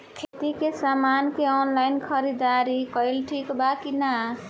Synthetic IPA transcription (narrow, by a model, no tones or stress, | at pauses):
kʰet̪ikesamankeɔnlajnkʰʌɾid̪aɾikʌjlʈʰikbakina